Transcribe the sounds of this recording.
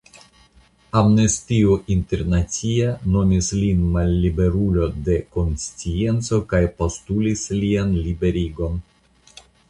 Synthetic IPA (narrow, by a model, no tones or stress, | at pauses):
amnestioʔinte̞ɾnat͡siano̞mislinmalːibe̞ɾulo̞de̞ko̞nst͡sie̞nt͡so̞kajpo̞stulislianlibe̞ɾiɡo̞n